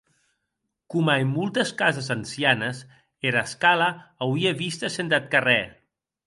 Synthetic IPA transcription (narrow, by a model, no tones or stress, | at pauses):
kumaemːulˠt̪əskazəzansianəs | eɾaskaləːwieβist̪əsent̪at̪̚karɛ